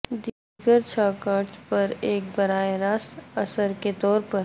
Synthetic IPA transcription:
d̪iːɡəɾt͡ʃʰaːkaːɾt͡ʃpɐɾeːk̚bɐɾaːeɾaːsɐsəɾket̪ɔːɾpɐɾ

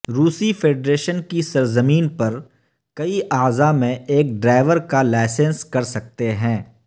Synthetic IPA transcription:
ɾuːsifʰeːɖɾeːʃənkisɐɾzəmiːnpɐɾ | kɐiʔaːzamẽeːk̚ɖɾaːɪʋəɾkalaːɪsə̃nskɐɾsɐk̚t̪eɦɛ̃ː

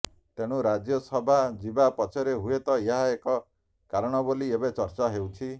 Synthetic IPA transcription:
t̪eɽ̃uɾad͡ʒjɔsɔbʱad͡ʒibapɔt͡ʃʰɔɾeɦuet̪ɔeɦaekɔ | kaɾɔɽ̃ɔboliebet͡ʃɔɾt͡ʃaɦewt͡ʃʰi

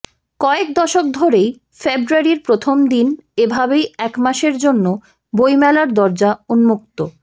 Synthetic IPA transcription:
kɔek̚d̪ɔʃok̚d̪ʱoɾej | febɾuaɾiɾpɾot̪ʰomd̪inebʱabejɛkmaʃeɾd͡ʑonːo | bojmɛlaɾd̪ɔɾd͡ʑaunmuk̚t̪o

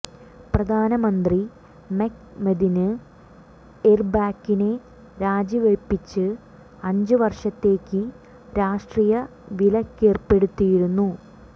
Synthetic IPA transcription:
prɐd̪ʱaːnɐmɐnd̪ri | mekmed̪inɨ | erbaːkːine̞ | ɾaːd͡ʑiʋeɭpːit͡ɕːɨ | ɐɲd͡ʑɨʋɐrʂɐt̪ːe̞ːkːɨ | ɾaːʂʈriːjɐ | ʋilɐkːeːrpe̞ɽut̪ːijiɽunːu

